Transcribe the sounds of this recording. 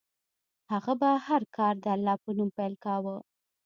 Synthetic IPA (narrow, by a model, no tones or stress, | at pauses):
haɣabahaɾkɑɾd̪əalːɑpənumpajlkawə